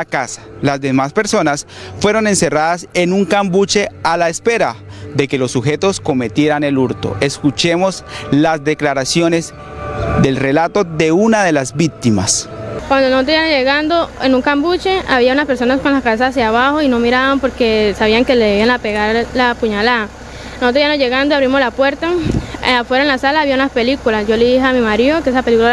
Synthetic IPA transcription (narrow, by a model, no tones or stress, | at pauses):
akasḁlazd̪emaspe̞ɾso̞nasfwe̞ɾone̞nse̞raðase̞nuŋkambut͡ʃe̞alaespe̞ɾaðe̞ke̞lo̞sːuxe̞t̪o̞sko̞me̞t̪je̞ɾane̞luɾt̪o̞̰ʔe̞skut͡ʃe̞mo̞zlazd̪e̞klaɾasjo̞ne̞z | d̪e̞lre̞lat̪o̞ðe̞unaðe̞lazbik̚t̪imaskwand̪onosot̪ɾiβamozʝeɣand̪o̞enuŋkambut͡ʃe̞aβiaunaspe̞ɾsonasko̞nlaskaβe̞s̬aas̬jaβaxo̞ino̞miɾaβampo̞ɾke̞saβiaŋke̞leðeβianape̞ɣaɾlapuɲalaða | nosot̪ɾoijamoʝe̞ɣand̪ojaβɾimo̞slapwe̞ɾt̪aafwe̞ɾaenlasalaːβiaunaspe̞likulasd͡ʒo̞leðiɦamimaɾiokeesapelikula